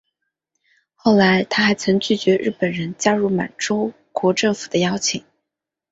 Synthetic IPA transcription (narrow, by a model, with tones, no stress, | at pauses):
xo˥˩ʊla˧˥ɪt̪ʰa˥xa˧˥ɪt͡sʰɤ˧˥ŋt͡ɕy˥˩t͡ɕɥɛ˧˥ɻ̩˥˩pə˨˩nɻə˧˥nt͡ɕja˥ɻu˥˩ma̰˨˩ɪʈ͡ʂo˥ʊ | kwɔ˧˥ʈ͡ʂɤ˥˩ŋfu˨˩d̪ə˦jɑ˥ʊt͡ɕʰi˨˩˦ŋ